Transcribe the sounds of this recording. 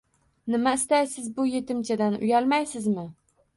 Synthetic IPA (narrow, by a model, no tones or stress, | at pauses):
nɪmaɪst̪ajsɪzbʊjet̪ʰɪmt͡ʃʰad̪anʊ̰jalˠmajsɪzmɪ